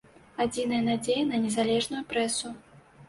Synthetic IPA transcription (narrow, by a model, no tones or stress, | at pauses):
ad͡zʲin̪ɐjɐnad͡zʲejɛnɐnʲɛzalʲɛʐnujupɾɛsu